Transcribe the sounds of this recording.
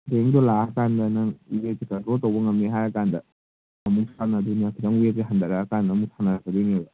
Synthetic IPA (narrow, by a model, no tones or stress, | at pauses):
deŋdɔlaɐkandɐnaŋuwet̚kekɐntɾoltɐwbɐŋɐmneɦajɐkandɐ | ɐmusanɐd̪unijakʰidaŋuet̚keɦɐnd̪ɐɾaɐkandɐːmutʰanɐɾɐkʰɐdeŋebɐ